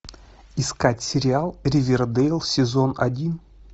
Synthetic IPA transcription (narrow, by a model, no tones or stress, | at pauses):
ɪskatʲsʲɪɾʲɪalˠɾʲɪvʲɪrd̪ejlˠsʲɪzonɐ̰dʲin